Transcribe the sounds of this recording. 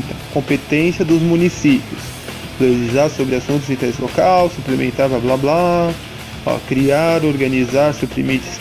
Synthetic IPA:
ɐkõpet̪ẽsjɐd̪ʊzmũnisipiʊs | lelizaɾsobɾɪasũt̪ʊzĩt̪ɛɾɪzlokawsuplemḛ̃nt̪aɾbablabla | ɔ̰kɾiaɾoɾɡɐnizaɾsupɾimit͡ʃɪ̥s

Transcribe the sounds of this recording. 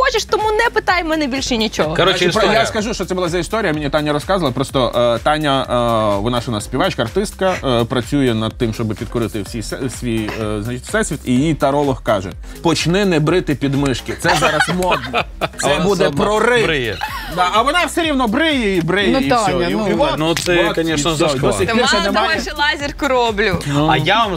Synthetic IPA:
xɔt͡ʃɪʃt̪ɔmunɛpɪt̪ɑjmɛnɛbʲilʲʃɪnʲit͡ʃɔɦɔkɐɾɔjaskɐʒuʃt͡ʃɔt̪sɛbʊlˠɑazɐist̪ɔɾʲijɐmʲɪnʲit̪anʲːɐɾɔskɑzɐlˠɐpɾɔst̪ɔt̪ɑnʲːɐʋɔnaʃɔnasʲpʲiʋɑt͡ʃkɐɐrt̪ɪst̪̚kɐpɾɐt͡sʲujɛnɐd̪̚t̪ɪmʃt͡ʃɔbɪpʲid̪kʊɾɪt̪ɪwsʲijsɛsʲʋʲijznɐt͡ʃit̪ʲsɛsʲʋʲit̪ijijt̪ɐɾɔlˠɔhkɑʒɛ | pɔt͡ʃnɪnɛbɾɪt̪ɪpʲid̪mɪʃkɪt̪sɛzɑɾɐsmɔd̪nɔsɛbud̪ɛpɾɔrɪjɛd̪aɐʋɔnɑwsɛɾʲiwnɔbɾɪjɛibɾɪnjɛiɔpiʋɔnusɛkɐnʲɛʃɔd̪ɔɪtʲisɛnɛmajɛʃlˠazʲɪrkʊɾɔblʲʊnuɐjaʋam

